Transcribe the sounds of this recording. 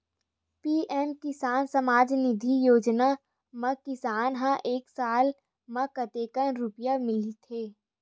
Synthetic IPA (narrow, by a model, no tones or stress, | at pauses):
piːʔɛːmkɪsaːnsɐmaːd͡ʒnɪd̪ʱijoːd͡ʒna | mɐkɪsaːnɦãʔeːksaːl | mɐkət̪eːkənɾʊpjamɪlit̪ʰeː